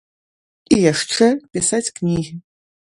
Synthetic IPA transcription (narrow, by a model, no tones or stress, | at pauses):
ijaʂʈ͡ʂɛpʲisat͡sʲknʲiɣʲɪ